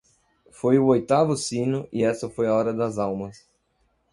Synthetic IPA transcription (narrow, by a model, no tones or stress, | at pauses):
fojʊojt̪avʊsĩnʊʔɪɛsɐfojɐɔɾɐd̪ɐzawmɐs